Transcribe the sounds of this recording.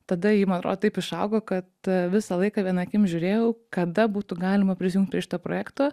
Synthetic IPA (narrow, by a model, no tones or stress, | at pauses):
t̪ɐd̪ɐjimɐnɐt̪ɾo̰ːd̪oːt̪ɐɪpɪʃɐʊɡoːkɐt̪ʋʲɪsɐlˠɐɪkɑːʋʲiɛnɑkʲɪmʒʲʊːɾʲeːjɛʊkɐd̪ɐbuːt̪ʊɡɑːlʲɪmɐpʲɾʲɪsʲɪjuŋkt̪̚ʲpɾʲiɛʃɪ̥t̪oːpɾoːjæːkt̪oː